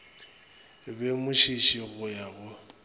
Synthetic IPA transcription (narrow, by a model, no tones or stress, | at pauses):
bemʊʃiʃiɣʊjabʊ